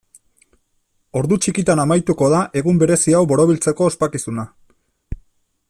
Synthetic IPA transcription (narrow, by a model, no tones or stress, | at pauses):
o̞ɾðut͡ʃikit̪anamajt̪uko̞ðaʔe̞ɣumbe̞ɾe̞siawβo̞ɾo̞β̞ilt͡se̞ko̞ːspakisuna